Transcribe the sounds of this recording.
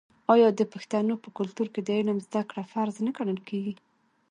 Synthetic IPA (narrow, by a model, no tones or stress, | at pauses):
ɑjɑd̪əpaxt̪anopəkʊlt̪uɾked̪əenamzd̪akɽafaɾznəɡanəlkeɡi